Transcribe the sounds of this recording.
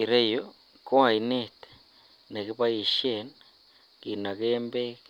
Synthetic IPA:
i˨ɾe˦jo | ko˦a˨inet̪ | ne˨ki˦pa˦i˨ʃen | ki˨na˨kembe˦k

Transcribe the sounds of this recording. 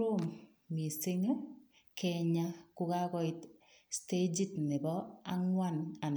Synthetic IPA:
o˦m | mi˨se˦ŋe˦ | kʰɛɲa˦kʊ˦ka˦kɔ˦ɪt | ste˦d͡ʒi˦tnɪ˨bɔa˦ŋwa˦na˨n

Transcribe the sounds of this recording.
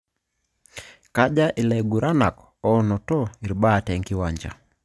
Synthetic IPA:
ka˦d͡ʒa˦ʔɪ˨lɛ˨ɡu˨ɾʔa˦na˨k | ɔ˦nɔ˨tɔ˦i˨ɾbaː˦˨tɛ˨ŋkɪ˦waɲd͡ʒa̰˨

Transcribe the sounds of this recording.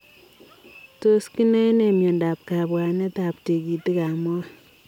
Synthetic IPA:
to˦ski˦nɛ˦ne˨mjo˨nda˨p̚ka˨bwa˨ne˦ta˨pte˨ki˨ti˦ka˨mɔ˦

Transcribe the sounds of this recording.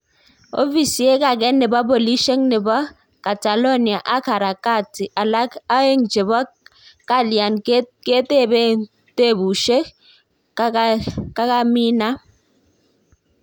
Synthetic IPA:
o̰˦fi˨si˨e˦ka˨ɡɛ˦nːe˨bɔ˦bo˨li˦ʃe˦ŋne˨bɔ˦ | ka˨ta˨lo˦ni˨a˨ʔa˦ka˨ɾa˨ka˦˨ti˨ʔa˨la˦a˦e˦ŋt͡ʃe˨bɔ˦ | ka˦lja˨n˦ke˦te˦˨be˦ | te˦˨bu˨ʃe˦k | ka˦ka˦mi˦na˦

